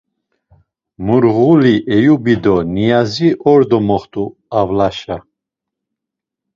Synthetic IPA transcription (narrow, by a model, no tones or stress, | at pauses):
muɾʁuliʔɛjubid̪ɔnijaziʔɔɾd̪ɔmɔχt̪ʼu | avlaʃa